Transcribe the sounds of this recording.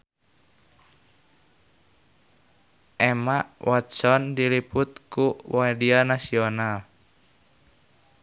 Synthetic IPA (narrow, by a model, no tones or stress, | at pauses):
ʔɛmaʔwʔɔt̪sɔndilipʊt̪̚kuwadianasiɔnal